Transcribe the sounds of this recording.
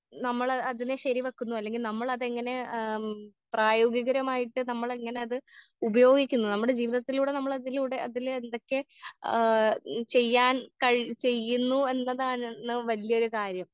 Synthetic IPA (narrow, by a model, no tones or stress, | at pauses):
nɐmːɐɭɐɐðineɕɐɾiʋɐkːunːuɐlːe̞ŋɡilnɐmːɐɭɐðe̞ŋːɐne̞ | praːjo̞ːɡiɣɐɾɐmaːjiʈːɨnɐmːɐɭe̞ŋːɐne̞ɐðɨ | ubɐjo̞ːɡikʲːunːunɐmːuɽe̞d͡ʑiːʋiðɐt̪ːiluːɽe̞nɐmːɐɭɐðiluːɽe̞ɐðilend̪o̞kːe̞ | t͡ɕe̞jːaːnkɐɻt͡ɕe̞jːunːue̞nːɐðaːnːɨʋɐlijɐo̞ɾukaːɾjɐm